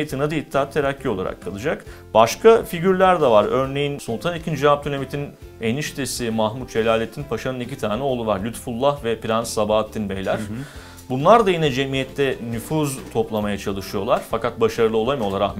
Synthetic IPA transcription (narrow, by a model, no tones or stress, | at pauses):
et̪ʰinad̪ait̪ʰːat̪ʰːeɾacʰːio̞lˠa̰ɾa̰kʰːalˠɯd͡ʒak | baʃkʰafiɟyɾlʲæɾd̪ɛvaɾøɾne̞jinsonˠt̪ʰanicʰind͡ʒivap̚t̪ʰynʲamit̪ʰineniʃt̪ʰesimaxmut̪̚d͡ʒe̞lʲaːlʲet̪ʰːinpʰaʃanɯnicit̪ʰaːnɛo̞lˠulˠaɾlʲyt̪fulˠːahvɛpiɾansːabaːt̪ʰːinbejlʲæɾ̥ | bunlˠaɾd̪ajinɛd͡ʒemijɛt̪ʰːɛnyfuzt̪ʰo̞plˠamajat͡ʃʰalˠɯʃɯjo̞lˠaɾ̥fakat̪̚baʃaɾɯlˠɯo̞lˠamɯjo̞lˠaɾa